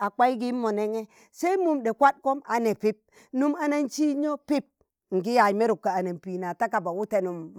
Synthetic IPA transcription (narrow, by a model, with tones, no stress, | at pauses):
a˨k͡pa˦i˦ɡi˦mːo˨ne˦ŋe˦ | se˦mu˦˨mde˨kʷa˦t̚ko˦ma˨ne˨pi˦p̚ | nu˦ma˨na˦nt͡ʃi˦ɲo˦pi˦p̚ | ŋ̩˨ɡi˦ja˨jme˦ɾu˨kːa˨a˨na˨npi˨na˨ta˦ka˨ba˨wu˦te˦nu˨m